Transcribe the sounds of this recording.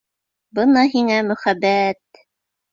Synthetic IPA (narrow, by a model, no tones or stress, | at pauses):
bɤnɑɦiŋæmɵ̆χæbæt̪̚